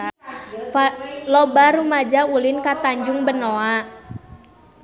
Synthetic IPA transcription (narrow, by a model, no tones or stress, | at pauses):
lɔbaɾumad͡ʒaulinkat̪aɲd͡ʒuŋbənoa